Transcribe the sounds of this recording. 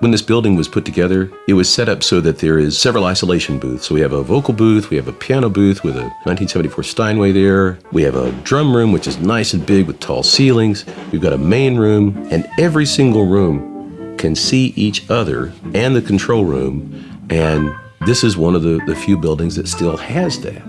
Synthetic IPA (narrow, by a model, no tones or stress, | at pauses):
wə̃nðɪsb̥ɪlˠdɪ̃ŋwʌz̥pʰʊtʰɨɡɛðə˞ | ɨt̚wʌz̥sɛɾʌpsoʊðɨt̪̚ðə˞ɪz̥sɛvɹl̩ˠaɪsəleɪʃn̩bʉ̰θsoʊwiɨvəvoʊkl̩ˠbuθwiɨvəpʰi̥æñoʊbʉθwɨðɨ̰nãɪ̃ntʰĩnsɛvɨn̩tifɔɹstãɪ̃nweɪðə˞wiɨvə̰dɹʌ̃mɹʉ̃mwɨt͡ʃɨznaɪsɨ̃n̩bɪɡ̚wɨð̥tʰɔ̰lˠsilˠɪ̃ŋz̥wivɡɑɾəmẽɪ̃nɹʉ̃mɨ̃nɛvɹisɪ̃ŋɡl̩ˠɹũmkʰɨ̃nsiʔit͡ʃʌðə̰˞ɨ̃nðɨkʰn̩tʰɹ̥oʊlˠɹʉ̰̃m | ʔɨ̃n | ðɪsɨzwʌ̃nʌvðɨðɨfjʉbɪlˠdɪ̃ŋzðɨtstɪlˠɨzðɨ̰t̚